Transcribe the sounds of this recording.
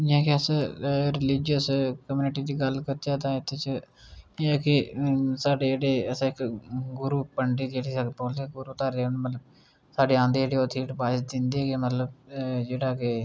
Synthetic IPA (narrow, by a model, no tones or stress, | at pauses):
d͡ʒãːkɪəsɾɪlɪd͡ʒəskəmuːnɪʈiːd̪iːɡəlkəɾt̪aːt̪ãːɪt̪ʰːet͡ʃəː | kɪsaːɖeːeːɽeːəsãːɪkɡʊɾuːpəɳɖiːd̪eːɽiːsapoːld̪eːɡʊɾuːt̪aːɾeːnmət̪ləb̚ | saːɖeːãːnd̪eːeːɽeːoːt̪ʰiːʈpaːsd̪ɪnd̪eːɡemət̪ləbd͡ʒeːɽaːke